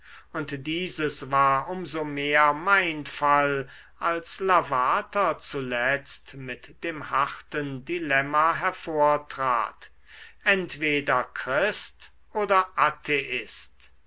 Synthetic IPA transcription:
ʊntdiːzəsvaːɐʔʊmzomeːɐmaɪnfal | ʔalslavaːtɐt͡sulɛt͡stmɪtd̥eːmhaχtəndilɛmaɦɛɐfoːɐtʁ̥a̰ːt | ʔɛntv̥eːdɐkʁ̥ɪst | ʔoːdɐʔatʰeʔɪst

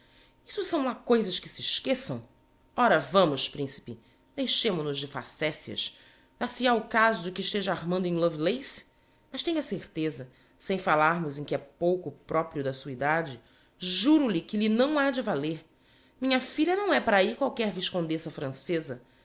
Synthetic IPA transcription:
i̥sʊsɐ̃w̃lakojzɐʃkɪsɪʃkesɐ̃w̃ | ɔɾɐvɐ̃mʊʃpɾĩsi̥pɪ | d̪ejʃẽmʊnʊzd͡ʒɪfa̰sɛsiɐ̰ʃ | d̪asiaʊkazʊd͡ʒɪkɪiʃt̪eʒɐaɾmɐ̃nd̪ʊẽj̃lovilejs | mɐʃt̪ẽjɲɐseɾt̪ezɐ | sẽj̃falaɾmʊzẽkɪɛpowkʊpɾʔɔpɾiʊd̪ɐsuɐid̪ad͡ʒɪ | ʒuɾʊlɪkɪlɪnɐ̃w̃ad͡ʒɪvaleɾ | mĩɲɐfiʎʲɐnɐ̃w̃ɛpaɾaikwawkɛɾviʃkõd̪esɐfɾɐ̃sezɐ

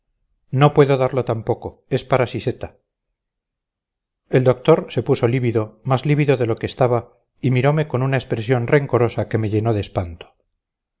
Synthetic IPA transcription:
no̞pwe̞ðoðaɾlo̞t̪ampo̞ko̞e̞spaɾasise̞t̪a | e̞ld̪o̞k̚t̪o̞ɾse̞pusoliβiðo̞mazliβiðo̞ðe̞lo̞keːst̪aβa | imiɾo̞me̞ko̞nunaespɾe̞sjo̞nre̞ŋko̞ɾo̞sake̞me̞ʝe̞no̞ðespant̪o̥

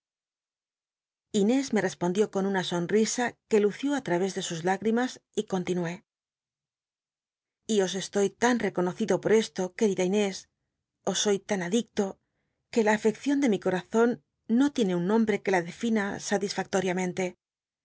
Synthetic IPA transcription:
ine̞zme̞re̞spo̞nd̪jo̞ko̞nunaso̞nrisake̞luθjoat̪ɾaβ̞e̞zðe̞suzlaɣɾimasiko̞nt̪inue̞ | io̞s̬e̞st̪o̞jt̪anre̞ko̞no̞θiðopo̞ɾe̞st̪o̞ke̞ɾiðaine̞s | o̞sːo̞jt̪anaðik̚t̪o̞ | ke̞laːfe̞kθjo̞nd̪e̞miko̞ɾaθo̞nː | o̞t̪je̞ne̞unːõ̞mbɾe̞ke̞laðe̞finasat̪isfak̚t̪o̞ɾjamẽ̞nt̪e̞

